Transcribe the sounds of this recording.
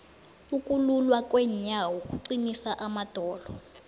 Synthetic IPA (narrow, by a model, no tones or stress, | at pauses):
ukʼululwakʼwɛɲawɔkʼuǀinisaʔamad̥ʱɔːlɔ